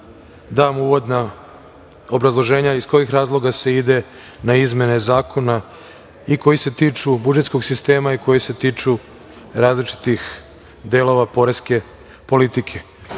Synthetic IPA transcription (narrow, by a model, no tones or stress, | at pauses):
d̪aːmuːʋo̞d̪na | obɾazlˠo̞ʒe̞ːɲaisko̞jixɾaːzlˠo̞ɡase̞id̪e̞ | naizme̞ne̞zaːkʰo̞na | iko̞jise̞t̪iːt͡ʃubud͡ʒet̪sko̞ɡsist̪e̞ːmaiko̞jise̞t̪iːt͡ʃu | ɾaːzlit͡ʃi̥t̪ix | d̪elˠo̞ʋapo̞ɾeske̞ | po̞lit̪ikʰe